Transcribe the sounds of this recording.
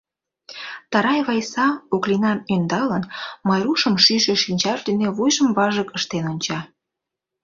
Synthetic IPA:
t̪ɑɾɑjβɑjsɑoklinɑmønd̪ɑlənmɑjɾuʃəmʃyʃeʃinʲt͡ɕɑʒd̪eneβujʒəmβɑʒəkəʃt̪enonʲt͡ɕɑ

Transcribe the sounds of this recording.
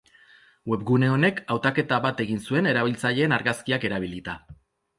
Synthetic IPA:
we̞pɣune̞o̞ne̞kawt̪ake̞t̪aβat̪e̞ɣinsue̞ne̞ɾaβilt͡saʎe̞ːnaɾɣaskiake̞ɾaβ̞ilit̪a

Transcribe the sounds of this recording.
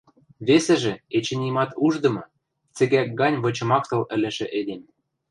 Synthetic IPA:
βesĕʒĕet͡ɕɘ̆nʲimɑt̪uʒd̪ɤ̆mɤ̆ | t͡sɘ̆ɣæk̚ɡɑnʲβɤ̆t͡ɕɤ̆mɑkt̪ɤ̆lɘ̆lɘ̆ʃĕʔelem

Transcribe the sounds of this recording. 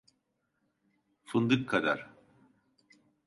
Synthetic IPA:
fɯnd̪ɯkʰːad̪a̰ɾ̥

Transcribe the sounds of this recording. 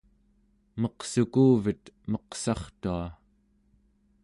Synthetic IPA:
mʌqsukuːvit̪mʌqsɑχt̪ua

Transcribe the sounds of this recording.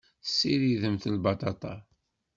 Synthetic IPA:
sːiɾiðəmθəlbɑt̪ˤɑt̪ˤɑ

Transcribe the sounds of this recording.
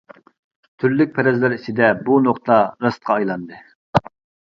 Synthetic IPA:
t̪ʰyɾlyk̚ʲpʰɛɾɛzlæɾit͡ʃʰɪd̪ɛbunoqt̪ʰɑɾɑst̪qʰɑːjlˠɑnd̪ɨ

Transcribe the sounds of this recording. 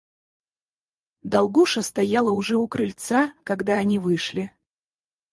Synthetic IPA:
d̪ɐlˠɡuʂəst̪ɐjalˠəʊʐɛʊkɾɨlʲt̪sakɐɡd̪aːnʲivɨʂlʲɪ

